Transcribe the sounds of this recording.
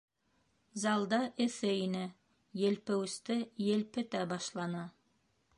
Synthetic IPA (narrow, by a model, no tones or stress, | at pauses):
zɑlˠd̪ɑʔɘ̆θɘinɘ | jɘ̆lpɘ̆wɘ̆st̪ɘjɘ̆lpɘ̆t̪æbɑʃlˠɑnɤ